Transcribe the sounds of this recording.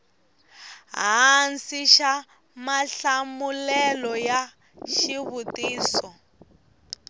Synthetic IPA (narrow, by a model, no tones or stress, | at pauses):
ɦansiʃa | maɬamulɛlɔja | ʃiβutiːsɔ